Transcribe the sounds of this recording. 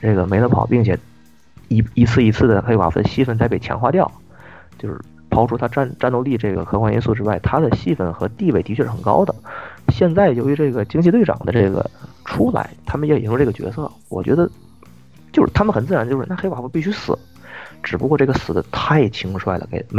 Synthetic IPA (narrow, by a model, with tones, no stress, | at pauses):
ʈ͡ʂɤ˥˩ɡə˩me˧˥ɪlə˧pʰɑ̰˨˩ʊpi˥˩ŋt͡ɕʰjɛ̰˨˩ | i˧˥i˧˥t͡sʰɹ̩˥˩i˧˥t͡sʰɹ̩˥˩d̪ə˩xe˥ɪwa̰˨˩fṵ˧˥˩ə̰˧ɕi˥˧fə˥˩nt͡sa˧˥ɪpe˥˩ɪt͡ɕʰjɑ̰˧˥ŋxwa̰˥˧t̪jɑ˥˩ʊ | t͡ɕjo˥˧ʊʂɻ̩̰˥˩ | pʰɑ˥ʊʈ͡ʂʰu˥˩t̪ʰa˥ʈ͡ʂa˥˧nʈ͡ʂa˥˧no˥˧ʊli˥˧ʈ͡ʂɤ˥˩ɡə̰˩kʰɤ˧˥kwa˥nḭ˧˥su˥˩ʈ͡ʂɻ̩˥wa˥˩ɪt̪ʰa˥d̪ə˨ɕi˥˧fə˥˩nxɤ˧˥t̪i˥˧we˥˩ɪi˧˥t͡ɕʰɥɛ˥˧ʂɻ̩˥˩ə˨˩ŋkɑ̰˥ʊd̪ə˨ɕjɛ˥˧nt͡sa˥˩ɪjo˧˥ʊy˧˥ʈ͡ʂɤ˥˩ɡə˩t͡ɕi˥ŋt͡ɕʰi˥˧we˥˩ɪɑ̰˨˩ŋd̪ə̰˦ʈ͡ʂɤ˥˩ɡə̰˩ʈ͡ʂʰu˥la̰˧˥ɪt̪ʰa˥mə˨jɛ˥˨˧u˧˩ʈ͡ʂɤ˥˩ɡə˩t͡ɕɥɛ̰˧˥sɤ̰˥˩ | wɔ̰˨˩t͡ɕɥɛ̰˧˥d̪ə˧ | t͡ɕjo˥˧ʂɻ̩˥˩t̪ʰa˥mə˨nxə˨˩nt͡sɹ̩˥˩˧nt͡ɕjʂɻ̩˥˧na˥˩xe˥ɪwa˨˩fu˧˥pi˥˩ɕy˥sɹ̩˨˩˦ | ʈ͡ʂɻ̩˨˩pu˧˥kwɔ˥˧ʈ͡ʂɤ˥˩ɡə˩sɹ̩˨˩d̪ə˦t̪ʰa˥˩ɪt͡ɕʰi˥ŋʂwa˥˩ɪlə̰˩ke˧˩ɪ˩m˥